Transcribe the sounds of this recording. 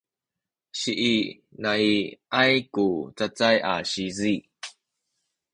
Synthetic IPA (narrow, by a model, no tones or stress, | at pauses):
ɕiʔi | naiʔajkut͡sat͡saja̰ɕizi